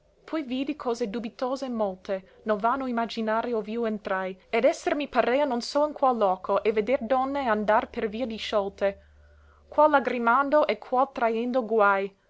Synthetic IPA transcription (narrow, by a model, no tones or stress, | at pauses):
pʰɔjviːd̪ikʰɔːzed̪ubit̪oːzemɔlt̪e | nonvanːoimad͡ʒinaːɾeovjuent̪ɾajed̪ɛsermipaɾeːanonsoinkwalːɔːkʰoʔeved̪erd̪ɔnːeand̪arperviːad̪iʃɔlt̪e | kwalːaɡɾimand̪oʔekʰwalt̪ɾajend̪oɡwaj